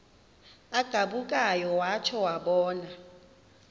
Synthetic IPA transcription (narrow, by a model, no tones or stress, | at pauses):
aɡ̥ʱaɓukʼajɔwat͡ʃʰɔwaɓɔːna